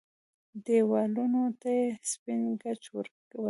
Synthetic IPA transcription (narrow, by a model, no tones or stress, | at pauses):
d̪ewɑlunot̪ajespɪnɡat͡ʃwə̰ɾkawəl